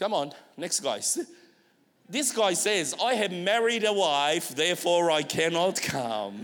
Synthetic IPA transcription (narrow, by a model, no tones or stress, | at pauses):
kʰʌ̃mə̃nnɛksɡ̥aɪs | ðɪsɡ̥aɪsɛzaɪɨvmɛɹiɾəwaɪfðɛɹfɔɹaɪkʰænɑtkʰʌ̃m